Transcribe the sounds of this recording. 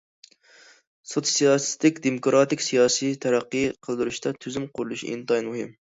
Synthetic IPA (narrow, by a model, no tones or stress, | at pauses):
sot̪sijɑsst̪ɪkʲd̪emokɾɑt̪ɪkʲsijɑsijt̪ʰæɾæqːɨqʰəlˠd̪ɨɾuʃt̪ʰɑt̪ʰyzymqʰʊɾlˠuʃḭnt̪ɑjnmuhɪm